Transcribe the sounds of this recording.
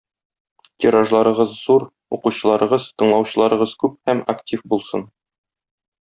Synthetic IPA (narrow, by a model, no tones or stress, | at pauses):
t̪ʲiɾaʒlˠɑɾɤ̆ʁɤzːuɾ | uquɕɤ̆lˠɑɾɤ̆ʁɤz̥t̪ɤ̆ɴlˠɑwɕɤ̆lˠɑɾɤ̆ʁɤz̥kʉp̚hæmɐktʲifbulˠsɤn